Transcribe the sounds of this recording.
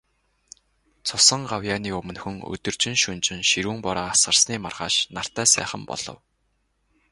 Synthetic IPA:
t͡sʰʊsə̆ɴɢawjaːniːɵmɵ̆nxɵ̆ŋɵ̰t̪ɵ̆r̥t͡ɕɪ̆nʃɵnt͡ɕɪ̆nʃiɾuːmpɔɾaːasɢə̆rsniːmarʁa̰ːʃnar̥t̪æːsæ̰ːχə̆mpɔ̰ɮ̥ɞ̰̆w

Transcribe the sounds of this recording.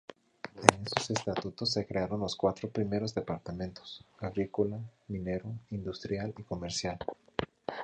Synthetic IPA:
ene̞so̞se̞st̪at̪ut̪o̞s̬ːe̞kɾeaɾo̞nlo̞skwat̪ɾo̞pɾime̞ɾo̞zðe̞paɾt̪amẽnt̪o̥saɣɾikolamĩne̞ɾoind̪ust̪ɾjaliko̞meɾsjal

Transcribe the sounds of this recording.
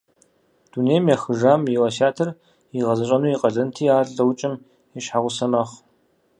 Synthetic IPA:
d̥uneːjmjɐxɨʐaːmjiwɐʃaːtʰɐr | iʁɐzɐɕʼɐnuːjiqɐɮɐntʰiːaːɮɐwt͡ʃʼɪm | ɛʃħaʁʷʊsɐmɐχ

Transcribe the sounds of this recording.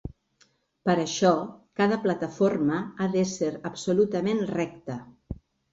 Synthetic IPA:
pəɾəʃɔkaðəplət̪əforməaðəseɾəbsulut̪əmenrɛk̚t̪ə

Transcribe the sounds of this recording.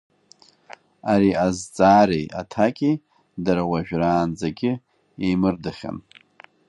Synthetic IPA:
aɾiazt͡sʼaːɾejatʰakʲʼi | daɾawaʒᶣraːnd͡zaɡʲɪ | ejmɨrdɨχʲa̰n

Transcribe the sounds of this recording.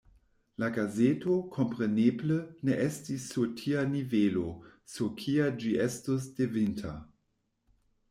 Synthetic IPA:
laɡazetokʰo̞mpʁenebləneʔestisːutʰianivelosukʰiad͡ʒiʔestos̬d̥evintʰa̰

